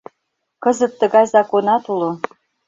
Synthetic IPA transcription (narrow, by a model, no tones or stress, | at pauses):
kɤzə̆t̪ːə̆ɣɑjzɑkonɑt̪ulo